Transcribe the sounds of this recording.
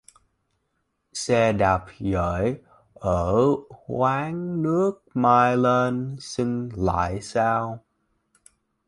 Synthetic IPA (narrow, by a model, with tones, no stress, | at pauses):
sɛ˧ɗa˨˩p̚ɣə̰ː˧˩j | ʔəː˧˩hwaː˨˦ŋnɨ˦˥ək̚maː˧jle˧nsi˧ŋla̰ː˧˨jsaː˧w